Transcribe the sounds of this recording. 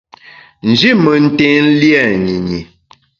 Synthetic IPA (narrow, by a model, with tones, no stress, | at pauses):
n̩˨d͡ʒi˦mə˨n̩˦te˦n̩˦ljɛ˦˨ɲi˨ɲi˨